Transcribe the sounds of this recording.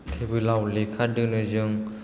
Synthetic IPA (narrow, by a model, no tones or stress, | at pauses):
tʰebɯlawlekʰaɾdɯnɯjzɯŋ